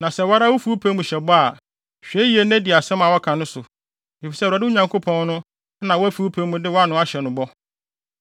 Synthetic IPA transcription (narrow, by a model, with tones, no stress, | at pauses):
nã˨sɛ˦˨wa˦ɾa˦wo˦fu˦u˦pʰe˦mũ˨ɕɛ˨bɔ˦a˨ | ɕᶣe˦ji˨˦e˨næ̃˦di˨a˨sɛ̃˦ma˨wɔ˦kʰã˨nʊ̃˦sʊ˨ | e˨fi˨sɛ˦˨a˨dɪ˦ʊ˦ɲã˨ŋkʰo˦pʰɔ̃˦n˦nʊ̃˦ | nã˨wɔ˦æ˦fu˨˦u˦pʰe˦mũ˨dɪ˦wɔ˦a˦nʊ̃˦a˦ɕɛ˨nʊ̃˨bɔ˦